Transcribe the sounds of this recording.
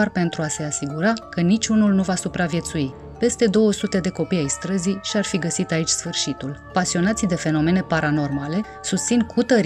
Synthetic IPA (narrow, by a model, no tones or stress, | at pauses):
arpe̞nt̪ɾuase̞asiɡuɾakənit͡ʃʲunulnuvasupɾavje̞t̪sui | pe̞st̪e̞d̪o̞wəsut̪e̞d̪e̞ko̞pijajst̪ɾəziʃiarfiɡəsit̪ait͡ʃʲsfɨrʃit̪ulpasio̞nat̪sid̪e̞fe̞no̞me̞ne̞paɾano̞rmale̞ | sust̪sinkʰut̪əɾ